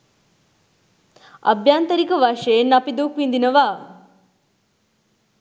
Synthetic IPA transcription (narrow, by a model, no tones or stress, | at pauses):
a̰bjaːnt̪əɾikəʋaʂɐenːapid̪ukʋind̪inəʋaː